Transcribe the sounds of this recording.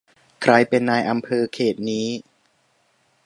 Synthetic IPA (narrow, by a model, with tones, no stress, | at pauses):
kʰɾa˧jpe˧nːaː˧jʔa˧mpʰɤː˧kʰeː˨˩t̪̚niː˦˥